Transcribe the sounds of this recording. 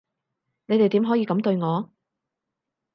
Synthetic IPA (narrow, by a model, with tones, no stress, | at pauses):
ne˨˧jt̪e˨jt̪iː˨˥mɦɔː˨˥jiː˨˧kɐ˨˥mt̪ɵ˧ɥŋɔː˨˧